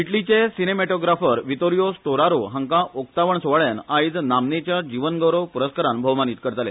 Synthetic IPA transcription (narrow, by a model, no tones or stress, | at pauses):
iʈlit͡ɕesinemeʈoɡɾafəɾʋit̪oɾijost̪oɾaɾoɦə̃ŋkãʔokt̪aʋəɳsoʋaɭjanajd͡znamnet͡ɕjad͡ʑiʋənɡəwɾəʋpuɾəskəɾãnbʱəʋmaniːt̪̚kəɾt̪alḛ